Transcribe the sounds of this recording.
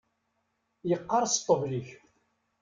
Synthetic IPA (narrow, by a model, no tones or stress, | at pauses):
jəqːɑɾˤst̪ˤːəvliç